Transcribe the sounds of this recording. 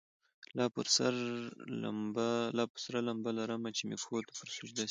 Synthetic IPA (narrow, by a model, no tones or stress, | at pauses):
lɑpəɾsaɾa̰mbalɑpəɾsaɾalambalaɾəmat͡ʃemḛkxot̪ḁpəɾsʊd͡ʒd̪a